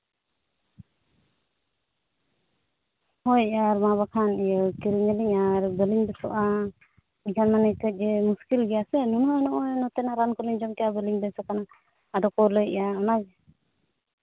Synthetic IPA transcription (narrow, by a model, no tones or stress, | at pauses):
hɔjɛjaɾmaβakʰanijɔkiɾiŋəliɲaɾbəliŋbɛsɔʔa | iɲkʰanmanɛkəc̚ˀd͡ʒɛmuskilɡɛjasɛnunɔanɔʔɔjnɔt̪ɛnaɾankɔliɲd͡ʒɔmkɛjabəliŋbɛnsakanaː | dɔkɔlɔjɛ̰jaɔnaɡɛ